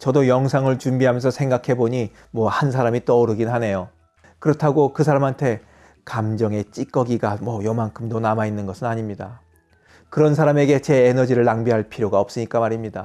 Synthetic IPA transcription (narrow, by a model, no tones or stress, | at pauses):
t͡ɕʌdojʌŋsʰaŋɯɭt͡ɕumbiɦamjʌnsʰʌsʰeŋɡakʰe̞boɲi | mwʌhansʰaɾamit͈ʌɾɯɡinɦane̞jo | kɯɾʌtʰaɡokɯsʰaɾamɦantʰe̞ | kamd͡ʑʌŋe̞t͡ɕ͈ik͈ʌɡiɡamwʌjʌmaŋkʰɯmdonamainːɯnɡʌsʰɯnaɲimɲida | kɯɾʌns̬ʰaɾame̞ɡe̞t͡ɕe̞ːnʌd͡ʑiɾɯɭːaŋbiɦaɭpʰiɾjoɡaʌp̚s͈ɯɲik͈amaɾimɲida